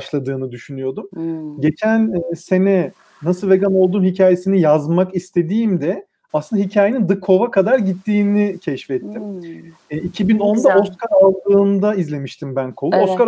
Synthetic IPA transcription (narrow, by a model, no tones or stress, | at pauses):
ʃlˠad̪ɯːnɯd̪yʃynyjo̞d̪umɟe̞t͡ʃʰænse̞nɛ | nasɯlˠve̞ɡano̞lˠd̪uːmhicʰaːje̞sinijazmakist̪ʰe̞d̪iːmd̪ɛ | aslɯnd̪aɦicʰaːjenind̪ɯkʰːo̞vakʰad̪aɾɟit̪ʰːiːnicʰɛʃfɛt̪ʰːim | icʰibino̞nd̪ao̞skaɾalˠd̪ɯːnd̪aizlʲe̞miʃt̪ʰimbænkʰo̞lˠuoskaɾ